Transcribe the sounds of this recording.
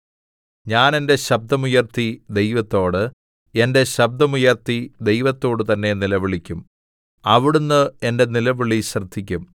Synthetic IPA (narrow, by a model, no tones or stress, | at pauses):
ɲaːne̞nde̞ɕɐb̚d̪ɐmujɐrt̪id̪e̞jʋɐt̪ːo̞ːɽɨ | e̞nde̞ɕɐb̚d̪ɐmujɐrt̪id̪e̞jʋɐt̪ːo̞ːɽɨt̪ɐnːe̞nilɐʋiɭikʲːum | ɐʋiɽunːɨe̞nde̞nilɐʋiɭiɕrɐd̪ʱːikʲːum